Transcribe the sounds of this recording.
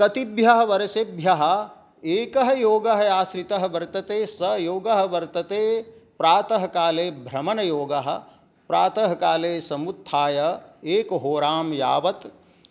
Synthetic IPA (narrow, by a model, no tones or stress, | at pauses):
kɐt̪ibʱjɐɦɐ̆ʋɐɾɐsebʱjɐɦɐ̆ | eːkɐɦɐ̆joːɡɐɦɐjaːʃɾit̪ɐɦɐ̆ʋɐɾt̪ɐt̪eːsɐjoːɡɐɦɐ̆ʋɐɾt̪ɐt̪eːpɾaːt̪ɐɦɐkaːleːbʱɾɐmɐnɐjoːɡɐɦɐ̆ | pɾaːt̪ɐɦɐkaːleːsɐmut̪ʰːaːjɐeːkɦoːɾaːmja̰ːʋɐt̪